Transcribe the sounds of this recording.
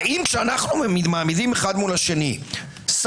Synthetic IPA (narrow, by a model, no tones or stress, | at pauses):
imkʃeanaχnumemid̪maːmidimeχad̪mulaʃe̞ni | s